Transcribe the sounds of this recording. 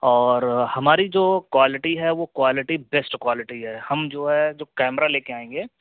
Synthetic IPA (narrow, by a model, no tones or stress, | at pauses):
ɔːɾhɐmaːɾid͡ʒoːkwaːlɪʈiɦɛʋokwaːlɪʈibɛsʈkwaːlɪʈiɦɛhɐmd͡ʒoːɦɛd͡ʒoːkɛːmɾaleːkeaːẽːŋɡeː